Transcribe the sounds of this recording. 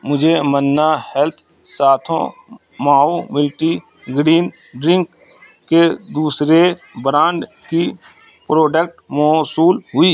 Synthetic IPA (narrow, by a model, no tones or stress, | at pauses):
mʊd͡ʒʱemənːahɛlt̪ʰ | saːt̪ʰõ̰ | maːomɪlʈi | ɡɾiːn | ɖɾɪ̃ŋkː | ed̪uːsɾe | bɾãːɳɖ | ki | pɾoːɖək̚ʈmɔːsuːlɦʊiː